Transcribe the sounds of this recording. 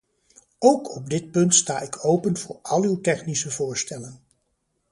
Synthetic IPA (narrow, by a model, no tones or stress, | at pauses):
owkʰɔb̚dɪt̚pɵntstaːɪkʰowpənv̥ʊːɹɑlˠywtɛχnisəvʊːɹstɛlən